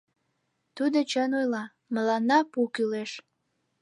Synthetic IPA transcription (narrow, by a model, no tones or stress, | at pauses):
t̪ud̪ot͡ɕənojlɑ | məlɑnːɑpukyleʃ